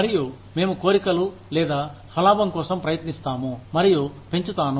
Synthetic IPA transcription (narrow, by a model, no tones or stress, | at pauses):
mɐɾiju | me̞ːmuko̞ːɾikɐlu | lɛːd̪aːhɐlaːbɐmkɔːsɐmpɾɐjɐt̪nist̪aːmumɐɾijupe̞ɲt͡ʃut̪aːnu